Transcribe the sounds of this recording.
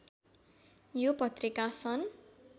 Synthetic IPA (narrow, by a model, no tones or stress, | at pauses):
jopʌt̪rikasʰʌn